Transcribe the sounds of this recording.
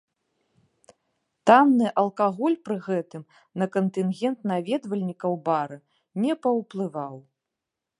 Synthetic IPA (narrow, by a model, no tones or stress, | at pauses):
t̪amnɨʔɐlˠkaɣɔlʲpɾɨɣɛt̪ɨm | nɐkɐnt̪ɨnɣʲɛnt̪navʲɛd̪vɐlʲnʲikɐwbaɾɨ | nʲɛpɐwplˠɨvaw